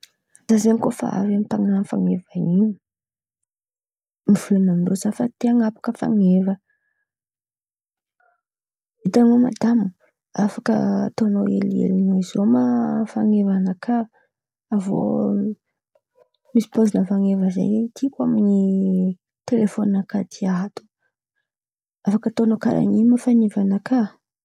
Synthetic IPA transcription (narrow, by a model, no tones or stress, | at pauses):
z̥azenikofa̰a̰vamipaŋaanfa̰ŋevaniu | mivulemand̪ozafət̪eaŋapḁkəfa̰ŋevə | et̪aŋoma̰d̪amu | afakə̰t̪onoḛliḛlinoizomafaŋevanakʰaː | vo̰ | misi̥pozinəfaŋevəzḛjeit̪ʰikʷamini | t̪elefoninakat̪ʰiaɦat̪u̥ | afakət̪onoka̰ɾʔa̰ŋimafanevanaka